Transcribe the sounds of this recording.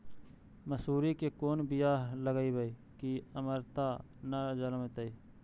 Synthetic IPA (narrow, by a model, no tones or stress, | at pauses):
məsuːɾikekoːnbɪjaːləɡaibəi | kiəməɾt̪anad͡ʒələmt̪əiː